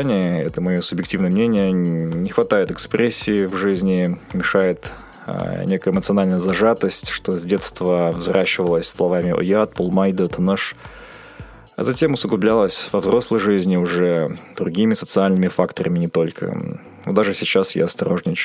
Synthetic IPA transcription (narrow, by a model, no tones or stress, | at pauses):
nʲɪjəɛt̪əmɐjosʊbʲjɪk̚tʲivnəjəmnʲenʲɪjənʲɪxvɐt̪ajɪt̪ɨkspɾʲʔesʲːɪːvʐɨzʲnʲɪmʲɪʂajɪt̪ | nʲe̞kəjəɪmət̪sɨɐnalʲnəjəzɐʐat̪əsʲtʲʂt̪o̞zʲdʲe̞t̪st̪vəvzrʔaɕːɪvəlˠəsʲslˠɐvamʲɪo̰jat̪̚pʊlˠmajd̪ət̪ʰɐnəʂ | ɐ̰zɐtʲe̞mʊsəɡlʊblʲalˠəsʲvɐvzɾo̞slˠəjʐɨzʲnʲɪʊʐɛd̪̥ɾʊɡʲimʲɪsət̪sɨalʲnɨmʲɪfakt̪əɾəmʲɪnʲɪt̪o̞lʲkʰə̰ | o̰d̪aʐɨsʲɪt͡ɕasja̰ɐst̪ɐɾo̞ʐnʲɪt͡ɕ